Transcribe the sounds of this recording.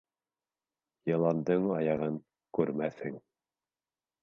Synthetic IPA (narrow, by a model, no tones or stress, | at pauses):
jɤ̆lˠɑnd̪ɤɴɑjɑʁɤŋ | kʉɾmæθhɘŋ